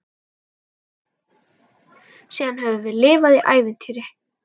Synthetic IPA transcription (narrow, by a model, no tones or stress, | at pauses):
siːðanɦɛvʏvɪðlɪːvaðiʔaːjvɪnt̪ʰiːɾɪ